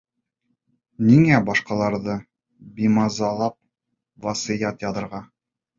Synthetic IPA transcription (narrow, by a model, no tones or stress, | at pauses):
niŋæbɒʃqɑlˠɑɾðɤ | bimɑzɑlˠɑp̚ | vɑsijɑt̪jɑðɤ̆ɾʁɑ